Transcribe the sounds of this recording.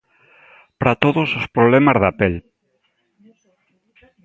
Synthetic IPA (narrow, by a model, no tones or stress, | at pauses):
pɾat̪oðʊsospɾoβlɛmazðapel